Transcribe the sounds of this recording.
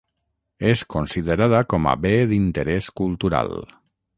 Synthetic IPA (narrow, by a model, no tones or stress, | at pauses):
eskonsiðəɾaðəkɔma̰beðint̪əɾɛskulˠt̪uɾa̰lˠ